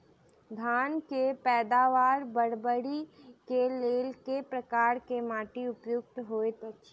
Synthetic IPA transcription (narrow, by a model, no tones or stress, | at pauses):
d̪ʱaːnkepɛːd̪aːʋaːɾbəɽbəɽikeleːlkepɾəkaːɾkemaːʈiʊpjʊk̚t̪ɦoːet̪o